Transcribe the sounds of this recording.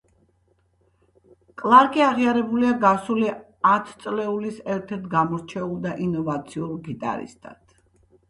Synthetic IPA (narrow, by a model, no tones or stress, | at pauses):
kʼlˠaɾkʼiaʁiaɾɛbuliaɡasuli | at̪ʰt̪sʼlɛulisɛɾt̪ʰɛɾt̪ʰɡamɔɾt͡ʃʰɛulˠd̪aʔinɔvat̪sʰiulˠɡit̪ʼa̰ɾḭst̪ʼa̰t̪ʰ